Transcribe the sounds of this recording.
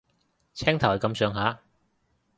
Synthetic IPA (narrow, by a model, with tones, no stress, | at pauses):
t͡sʰɛː˥ŋt̪ʰɐ˨˩whɐ˨˩kɐ˨˧msœː˨˧ŋɦaː˨˥